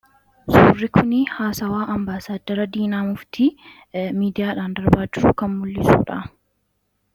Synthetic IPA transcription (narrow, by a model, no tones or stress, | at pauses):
suːrːɪkʰʊnɪhaːsɐwaːʔɐmbaːsaːd̪ːɐɾɐd̪iːnaːmʊft̪ʰi | miːd̪ɪjaːᶑaːnd̪ɐɾbaːd͡ʒɪɾʊkɐnmʊlːɪsṵːᶑa̰